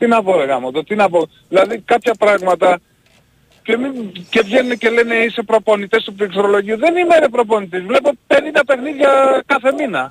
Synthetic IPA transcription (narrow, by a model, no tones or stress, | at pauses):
t̪inɐpo̞ɾeɣɐmot̪ot̪inɐpo̞ | ðilɐðikɐpçɐpɾɐɣmɐt̪ɐ | ce̞mice̞vʝe̞nunece̞le̞ne̞ise̞pɾo̞po̞nit̪e̞st̪upɾiksɾo̞lo̞ʝiuðe̞nimeɾepɾo̞po̞nit̪ezvle̞pope̞nid̪ɐpe̞xniðʝɐkɐθe̞minɐ